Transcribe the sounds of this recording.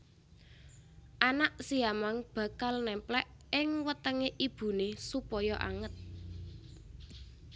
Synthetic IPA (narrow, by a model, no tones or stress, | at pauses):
ʔanaʔsiamaŋb̥ä̤kalnɛmplɛʔɪŋwət̪əŋeʔib̥ṳnesupɔjɔʔa̰ŋət̪̚